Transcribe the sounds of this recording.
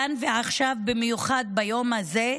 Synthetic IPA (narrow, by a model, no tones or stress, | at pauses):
anveaχʃavbemejuχad̪̚bajo̞mhaze